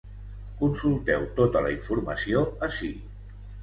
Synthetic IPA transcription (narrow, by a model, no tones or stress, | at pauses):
kunsulˠt̪ɛwt̪ot̪ələiɱfuɾməsioəsi